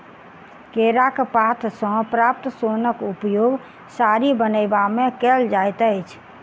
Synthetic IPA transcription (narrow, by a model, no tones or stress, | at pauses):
keɾakpat̪ʰsə̃pɾap̚t̪sonəkupjoɡ | saɾibənəɪbamekɛld͡ʒajt̪əɪt͡ʃʰ